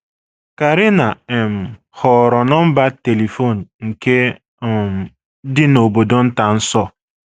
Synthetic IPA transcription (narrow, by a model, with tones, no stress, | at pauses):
ka˨ɾɪ˦na˨e˨m̩˨ | hɔ˨ɾɔ˨nɔ˦m̩˦ba˦te˨le˨fo˦˨n̩˨ŋ̩˨ke˦˨ | dɪ˦no˨bo˨do˨n̩˦ta˨n̩˦sɔ˦